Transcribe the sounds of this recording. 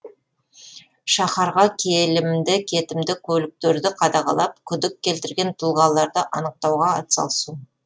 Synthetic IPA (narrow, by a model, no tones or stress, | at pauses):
ʃɑχɑɾʁɑkʲʰelɪmd̪ɪkʲʰe̞t̪ɪmd̪ɪkʲʰɵlɪk̚t̪eɾd̪ɪqʰɑd̪ɑʁɑ̰lˠɑp̚kʲʰʏd̪ɪkʲːe̞lt̪ɪɾɡʲe̞nt̪ʰʊlˠʁɑlˠːɑɾd̪əʔɑnəq̚t̪ɑwʁɑːt̪sɑ̰lˠsu